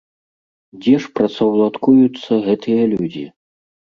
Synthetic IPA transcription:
d͡zʲɛʂpɾɐt̪sɐwlˠat̪kujut̪sːɐɣɛt̪ɨjɐlʲud͡zʲḭ

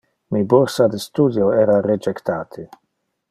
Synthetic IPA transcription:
miboɾsad̪est̪uːd̪joeːɾared͡ʒekt̪aːt̪ʰi

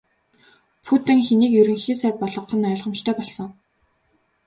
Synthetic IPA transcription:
pʰut̪ɘ̆ŋxeniːkjɵɾɵ̆ŋxiːsæːt̪̚pɔɮɞ̆qχə̆nœ̆ɮʁə̆mt͡ɕt̪ʰœːpɔɮsɞ̆ŋ

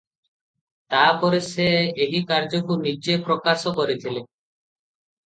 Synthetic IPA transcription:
t̪aɾpɔɾeseeɦikaɾd͡ʑokunid͡ʑepɾokaʃokɔɾet̪ʰile

